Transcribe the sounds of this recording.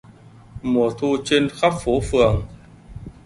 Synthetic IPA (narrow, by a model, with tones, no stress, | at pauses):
mu˨˩ət̪ʰu˧t͡ɕe˧nxa˦˥p̚fo˨˦fɨ˨˩əŋ